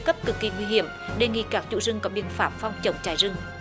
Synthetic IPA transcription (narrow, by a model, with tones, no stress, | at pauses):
kə˦˥p̚kɨ˨˩kːi˧˩ŋwi˧ɦi˧˩˨əmɗe˧˨˩ŋḭ˧˨kaː˦˥k̚t͡ɕṵ˧˨zɨ˧ŋkɔ˨˦ɓḭ˧˨ənfaː˦˥p̚fɔ˧wŋ͡mt͡ɕə˨˩wŋ͡mt͡ɕaː˧˨˩jzɨ˧ŋ